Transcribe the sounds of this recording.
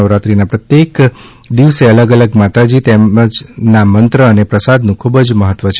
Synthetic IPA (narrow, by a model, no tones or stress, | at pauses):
əʋɾat̪ɾinapɾət̪jek | d̪iʋseələɡələɡmat̪ad͡ʒit̪eəd͡ʒnamənt̪ɾəːnepɾəsad̪nũkʰubəd͡ʒməɦət̪ʋət͡ʃʰ